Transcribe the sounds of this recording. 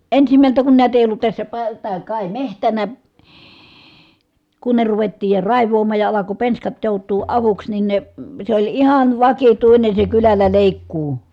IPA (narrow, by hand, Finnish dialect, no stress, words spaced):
ensimæltæ kun næˑi̯tæ eˑij olːut tæsːæ pɑ tæː kɑˑi mehtænæ kunːe ruʋetːiːj jɑ rɑˑiʋˑoːmˑɑːj jɑ ɑlɑko penskɑt joˑutˑuː ɑʋuks nin ne se olʲ ihɑn ʋɑkituine se kylælːæ leˑikːuː